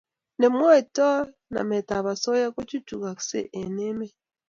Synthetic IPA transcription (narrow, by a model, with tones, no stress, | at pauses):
ne˨mwo˦˨to˦ | na̰˨me˨ta˨βa˨so˦ja˦ko˦t͡ʃi˦tu˨ka˨ksḛ˦ʔe˨ne˦me˦